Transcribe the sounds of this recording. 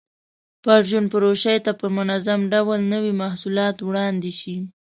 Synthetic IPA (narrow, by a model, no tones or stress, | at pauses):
pɑʒunpəɾoʃajt̪apəmʊnazamɖawalnəwimahsulɑt̪wɽɑnd̪eʃi